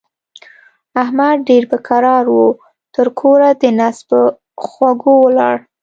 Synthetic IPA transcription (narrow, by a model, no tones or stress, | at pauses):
ahmad̪̚ɖeɾpəkaɾɑɾwu | t̪əɾkʰoɾad̪ənasbə | xwaɡowəlɑ̰ɽ